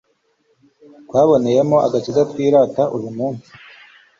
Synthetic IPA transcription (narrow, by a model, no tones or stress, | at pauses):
kwaːβo̞ne̞je̞mo̞ʔa̰ɡat͡ʃiɡatwiːɾaːtaʔujumuːnsi̥